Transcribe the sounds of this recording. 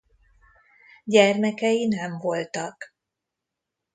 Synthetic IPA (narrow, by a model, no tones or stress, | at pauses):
ɟɛrmɛkɛjinɛɱvo̞lt̪ɒk